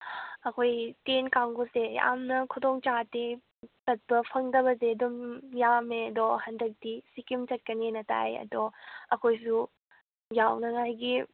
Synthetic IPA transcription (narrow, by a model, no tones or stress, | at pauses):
ɐkʰojtenkaŋɡosea̰mnɐkʰudoŋt͡ʃate | tɐt̚pɐpʰɐŋdɐbɐzeɐdumjameɐdɔhɐndɐk̚tisikimt͡ʃɐt̚kɐnenɐta̰jɐ̰dɔɐkʰojsu | jawnɐŋajɡi